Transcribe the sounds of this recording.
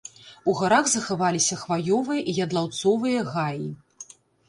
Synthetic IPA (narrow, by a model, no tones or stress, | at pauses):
uɣaɾaɣzɐxavalʲisʲɐxvajɔvɨjɐʔijɐd̪lˠawt̪sɔvɨjɐɣaji